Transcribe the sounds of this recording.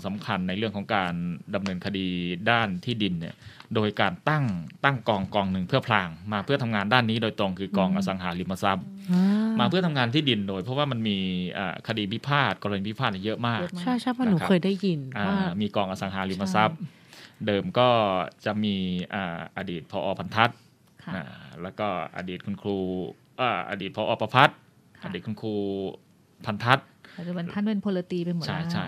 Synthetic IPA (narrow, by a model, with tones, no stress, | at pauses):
sa˩˦mkʰa˧nːa˧jɾɯ˥˩əkʰɔ˩˦ŋkaː˧nda˧mnɤː˧nkʰa˧diː˧daː˥˩nt̪ʰiː˥˩di˧nːi˥˩ɐdoː˧jkaː˧nt̪a˥˩ŋt̪a˥˩ŋkɔː˧ŋkɔː˧ŋnɯ˨˧˩ŋpʰɯ˥˩ɐpʰlaː˧ŋmaː˧pʰɯ˥˩ɐt̪ʰa˧mŋaː˧ndaː˥˩nːiː˦˥doː˧jt̪ɾo˧ŋkʰɯː˧kɔː˧ŋʔaː˧sa˩˦ŋɦaː˩˦li˧˩ma˧sa˦˥p̚maː˧pʰɯ˥˩ɐt̪ʰa˧ŋaː˧nt̪ʰiː˥˩di˧ndoː˧jpʰɔ˦˥waː˥˩ma˧nmiː˧ʔa̰ː˨˩kʰa˧diː˧pʰi˦˥pʰaː˥˩t̪̚kɔː˧ɾni˧pʰi˦˥pʰaː˥˩na˧jɤ˦˥ʔmaː˥˩k̚t͡ɕʰa˥˩jʰa˥˩wa˥˩n˧nuː˨˥a˥˦ɤː˧jdaː˥˩jji˧nʔaː˧˩˥miː˧kɔː˧˩ŋʔa˧sa˩˦ŋɦaː˩˦liː˧˩pʰa˧sa˦˥p̚ | dɤː˧mkɔː˥˩t͡ɕa˨˩ʔmiː˧ʔaː˨˩ʔa˧diː˨˩t̪̚pʰɔː˧ʔɔː˧pʰa˧nt̪ʰa˦˥t̪̚ʰ | ʔa̰ː˧˩lɛː˦˥wkɔː˥˩ʔa̰˧diː˨˩t̪̚kʰu˧nkʰɾuː˧ | ʔaː˨˩ʔa̰˧diː˨˩t̪̚pʰɔː˧ʔɔː˧pa˧pʰa˦˥t̪̚ | aː˧diː˨˩t̪̚kʰu˧nkʰɾuː˧ | pʰa˧nt̪ʰa˦˥t̪̚t̪ʰa˥˩npe˧npʰoː˧la˧t̪iː˧pe˧mo˨˩t͡ɕʰa˥˩jt͡ɕʰa˥˩j